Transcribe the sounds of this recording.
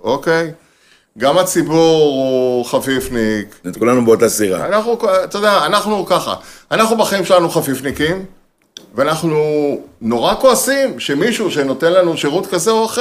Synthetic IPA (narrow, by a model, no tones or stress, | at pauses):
o̞kej | ɡamat͡sibuʁoχafifniket̪kulanubeot̪asiʁa̰anaχnukt̪od̪eaːnaχnukaχa̰anaχnubaχaimʃe̞lanuχafifnikim | veanaχnuno̞ʁakoasimʃe̞miʃuʃeno̞t̪enlanuʃeʁutkazeoaχ